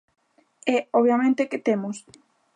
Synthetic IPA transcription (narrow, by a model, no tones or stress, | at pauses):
ɛɔβjamẽnt̪ekɪt̪emʊs